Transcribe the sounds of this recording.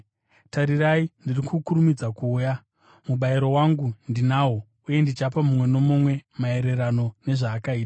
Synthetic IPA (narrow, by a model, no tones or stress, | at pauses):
taɾiraindirikʰukuɾumid͡zakuːja | muɓaiɾo̞waŋɡundinaɦo | uje̞ndit͡ʃapamumwe̞no̞momwe̞mae̞ɾe̞ɾano̞ne̞ʐaːkaiːtḁ